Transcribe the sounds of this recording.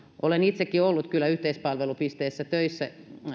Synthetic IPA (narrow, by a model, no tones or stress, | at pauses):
ʔolenit̪sekːiolːut̪kylːæyht̪eispɑlʋelupist̪eːsːæt̪øisːæ